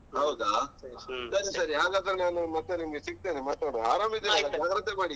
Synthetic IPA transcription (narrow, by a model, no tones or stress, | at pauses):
ɦɐwd̪aː | sɐɾisɐɾiɦaːɡaːd̪ɾenaːnumɐt̪ːenimɐɡesik̚t̪enimaːt̪aɽuɦaːɾaːmid̪ed͡ʒaːɡɾɐt̪ʰːemaːɽi